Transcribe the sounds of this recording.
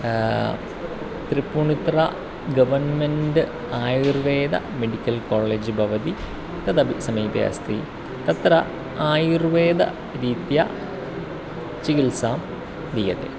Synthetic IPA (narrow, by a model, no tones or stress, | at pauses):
t̪ripːuːɳit̪ra̰ | ɡɐʋɐnmendɨ | aːjirʋeːd̪ɐ̰meɽikʲːɐlkoːɭːeːd͡ʑɨbʱɐʋɐd̪i | t̪ɐðɐbisɐmiːbja̰st̪iː | t̪ɐt̪ɾɐ | aːjirʋeːd̪ɐ̰ | ɾiːt̪jɐ̰ | t͡ɕikilsaːm | d̪ijɐt̪ːḛ